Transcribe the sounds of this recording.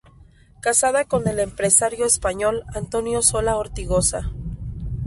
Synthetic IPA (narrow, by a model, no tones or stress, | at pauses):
kasaðako̞nd̪e̞le̞mpɾe̞saɾjo̞espaɲo̞lant̪o̞njo̞so̞laoɾt̪iɣo̞sa̰